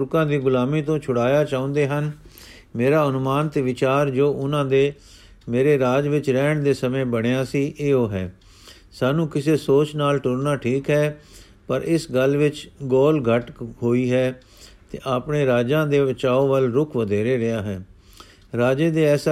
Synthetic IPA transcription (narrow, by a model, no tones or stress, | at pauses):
ɾkãːd̪iːɡʊlaːmiːt̪õːt͡ʃʰʊɽaːjaːt͡ʃaːʊ̃ːnd̪eːɦən | meːɾaːənʊmaːnt̪eʋɪt͡ʃaːɾd͡ʒoːʔʊnãːd̪eː | meːɾeːɾaːd͡ʒʋɪt͡ʃɾɛːɳd̪eːsəmẽːbəɽ̃ejaːsiːʔeːoːɦɛː | saːnũːkɪseːsoːt͡ʃnaːlʈʊɾnaːʈʰiːkɦɛː | pəɾɪsɡəlʋɪt͡ʃɡɔːlɡʱəʈɦoːiːɦɛː | t̪ḛːʔaːpɳeːɾaːd͡ʒãːd̪eːʋət͡ʃaːoːʋəlɾʊkʰʋəd̪ʱeːɾeːɾɪjaːɦɛː | ɾaːd͡ʒeːd̪eːɛːsa